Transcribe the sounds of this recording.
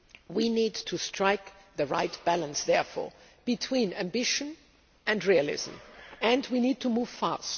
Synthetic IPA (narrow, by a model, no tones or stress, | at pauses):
winidtʰustʰɹ̥aɪkðəɹaɪtb̥ælˠə̃nsðɛɹfɔ̰ɹ | b̥itʰw̥ĩnæ̃mbɪʃɨ̃n | ɨ̃ndɹiəlɪ̰zə̰̃mɨ̃ndwinid̚tʰumuv̥fa̰st